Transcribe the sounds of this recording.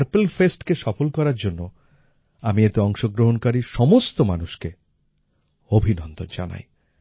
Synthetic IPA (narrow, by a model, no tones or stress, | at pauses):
ɾpelfesʈkeʃɔfolkɔɾaɾd͡ʑonːo | amiet̪eɔŋʃoɡɾoɦonkaɾiʃɔmost̪omanuʃke | obʱinɔnd̪ond͡ʑa̰na̰j